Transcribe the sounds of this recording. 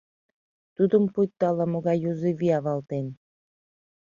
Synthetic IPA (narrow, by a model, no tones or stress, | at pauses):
t̪ud̪əmpujt̪ːɑlɑmoɣɑjːuzeviɑβɑlt̪en